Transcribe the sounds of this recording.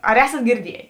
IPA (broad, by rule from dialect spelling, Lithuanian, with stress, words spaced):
ɐr ˈæːsɐt ɡʲɪrʲˈdʲiɛjeː